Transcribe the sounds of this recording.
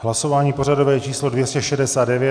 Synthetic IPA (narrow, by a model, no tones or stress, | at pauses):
ɦlaso̞vaːɲiːpo̞ɾado̞vɛːt͡ʃiːslo̞dvjɛscɛʃɛdɛsaːddɛvjɛ